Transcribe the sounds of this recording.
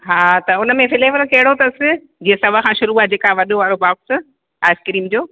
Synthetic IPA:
ɦaːt̪ɐʊnə̆mẽfɪleːʋəɾkɐɦɪɽot̪ɐsɪ | d͡ʑiːə̃sɐbakʰãːʃʊɾuaːed͡ʑeːkaʋɐɗoʋaːɾobaːks | aːɪskɪɾiːmd͡ʑoː

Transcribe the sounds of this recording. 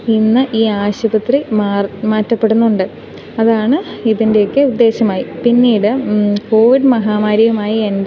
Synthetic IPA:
inːɨʔiːaːɕubɐt̪rimːmaːtːɐpːe̞ɽunːuɳɖɨ | ɐðaːɳɨiðinde̞jokːɨud̪ːe̞ːɕɐmaːjipinːiːɽɨko̞ːʋiɖmɐɦaːmaːɾjɐɣumaːjiend

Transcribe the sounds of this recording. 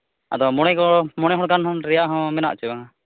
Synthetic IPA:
a̰d̪ɔmɔɽ̃ɛkɔmɔɽ̃ɛɦɔɽɡanɦɔ̃nɾɛjaʔɦɔ̃mɛna̰ʔt͡ʃu

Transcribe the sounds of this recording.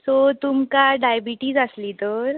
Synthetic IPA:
sot̪umkaɖajbiʈiːd͡zəslit̪oɾ

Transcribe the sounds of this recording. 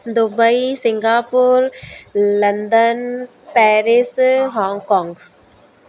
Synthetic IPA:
d̪ʊbəisɪ̃ŋɡaːpʊɾlɐnd̪ən | pɛːɾɪsɦɔ̃ːŋɡkɔ̃ːŋɡ

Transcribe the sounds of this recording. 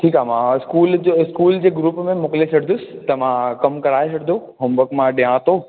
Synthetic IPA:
ʈʰiːkɦaːmãɪskuːld͡ʑɪskuːld͡ʑeːɡɾuːpmẽmʊklet͡ɕʰɐɽd̪ʊsɪ̥̆t̪ɐʋãkɐmkɐɾaːesʰɐɽd̪ʱo | ɦʊmbəkmãɗijãːt̪oː

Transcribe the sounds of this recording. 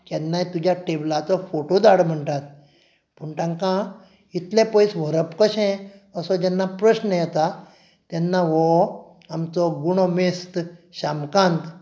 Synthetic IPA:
kɛnːajt̪ud͡ʑʱjaʈeblat͡sɔfoʈod̪aɽm̤əɳʈ̪at̪̚ | pəɳʈãŋkã | it̪lɛ̃pəjsʋəɾəpkəɕɛ̃ | əsɔd͡ʑɛnːapɾəɕnəjɛt̪a | t̪jɛnːaʋɔ | amt͡sɔɡuɽ̃ɔmest̪ɕamkãnt̪

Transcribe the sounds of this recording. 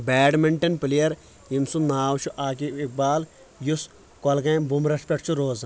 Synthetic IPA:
bɛːɖmiɳʈɐnpilijɐɾ | imsunaːwt͡ʃʰuʔaːk̬iik̚baːl | jus | kɐlɡɐ̃jbumɾɐspeʈt͡ʃʰuɾoːz

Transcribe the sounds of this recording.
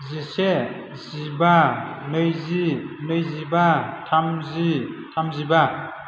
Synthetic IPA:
zise | zibanɯjzinɯjzibatʰamzitʰamziba

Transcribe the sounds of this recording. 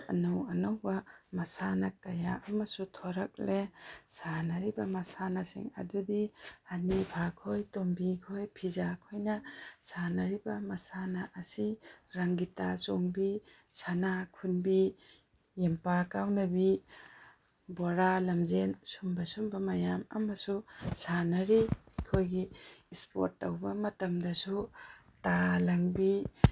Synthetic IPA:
ɐnowɐnawbɐmɐsanakajaʔamɐsutʰɔɾak̚lesanɐɾibɐmɐsanasḭŋɐ̰dudihanibʱakʰojtombikʰojpʰizakʰojnɐsanaɾibɐmɐsanaʔːsiɾaŋɡitasɔŋbi | sanakʰunbi | jempakawnɐbi | boɾalɐmzensumbɐsumbɐmɐjamɐ̰mɐsusanɐɾikʰojɡiːspo̰ɾtːɐwbɐmɐtɐmdɐsu | talɐŋbi

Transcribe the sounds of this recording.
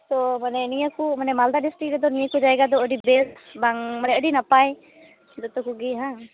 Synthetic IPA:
t̪ɔmanɛnijəkumanɛmald̪aɖisʈɾik̚ɾɛd̪ɔnijəkud͡ʒaɛɡad̪ɔəɖibɛsbaŋmanɛəɖinapaj | d̪ɔt̪ɔkuɡiɦã

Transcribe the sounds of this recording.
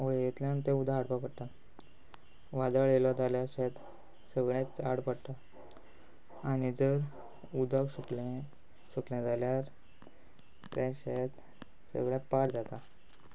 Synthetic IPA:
oɭejet̪ljant̪ẽud̪ʱaːɽpapəɽt̪a | ʋad̪əɭjelɔd͡z̪aljaɕɛt̪ | səɡɭjãt͡saɽpəɽt̪a | anid͡zəɾ | ud̪ʱaksukl | səkljãd͡zaljaɾ | ʈɾɛ̃ɕet̪ | sə̰ɡɭjãpaɽd͡zat̪a

